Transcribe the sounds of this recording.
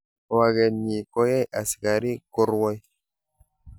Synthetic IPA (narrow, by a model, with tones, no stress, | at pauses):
wa˨ɡɛ˨ni˨kɔ˦ja˦jʔa˨ska˨ɾi˦ko˦ɾwɔ˦j